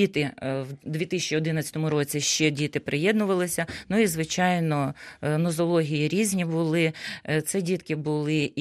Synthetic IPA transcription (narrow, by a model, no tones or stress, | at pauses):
it̪ɪwd̪ʋʲit̪ɪsʲt͡ʃiɔd̪ɪnɐt͡sʲɐt̪ɔmʊɾɔt͡sʲiʃt͡ʃɛdʲit̪ɪpɾejɛd̪nʊʋɐlˠɪsʲɐnuizʋɪt͡ʃɑjnɔnɔzɔlˠɔɦʲijiɾʲizʲnʲibʊlˠɪt̪sɛdʲit̪kɪbʊlˠɪ